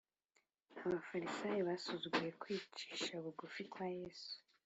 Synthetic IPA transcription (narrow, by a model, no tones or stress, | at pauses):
aβafaɾisaːjiβasuzuɡuje̞kwiːt͡ʃi̥ːʃaβuɡufikwajeːsu̥